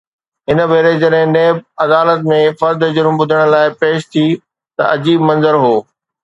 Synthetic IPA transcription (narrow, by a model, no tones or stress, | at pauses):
ɦɪnə̆ʋeːɾed͡ʑɐɗɦɪ̃neːb̚ɐd̪aːlət̪mẽfɐɾd̪d͡ʑʊɾmbʊd̪ʱəɽ̃̆laːɪpeːʃt̪ʰi | t̪ɐ̰ʔɐd͡ʑiːbmɐ̃nzəɾɦoː